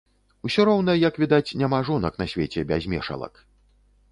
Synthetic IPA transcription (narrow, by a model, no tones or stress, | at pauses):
usʲɔɾɔwn̪ɐjjɐkvʲid̪at͡sʲnʲamaʐɔnɐkn̪ɐsʲvʲet͡sʲɛbʲazʲmʲɛʂɐ̰lˠɐ̰k